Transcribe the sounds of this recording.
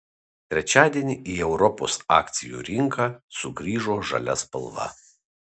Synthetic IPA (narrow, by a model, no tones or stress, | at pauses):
t̪ʲɾʲɛt͡ʃʲæːd̪ʲiɛnʲiʔiːɛʊɾɔpo̰ːsɑ̰ːkt̪sʲɪjṵːɾʲɪŋkɑːsʊɡɾʲiːʒoːʒɐ̰lʲɛspɐ̰lˠʋɐ̰